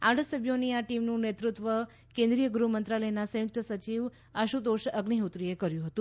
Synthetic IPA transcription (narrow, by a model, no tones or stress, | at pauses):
aɽəsəbʱjoniaʈimnũnet̪ɾut̪ʋə | kẽnd̪ɾijəɡɾumənt̪ɾaləjnasə̃jʊk̚t̪əsət͡ʃiʋ | əʃut̪oʃəɡniɦut̪ɾiekəɾjũɦət̪ũ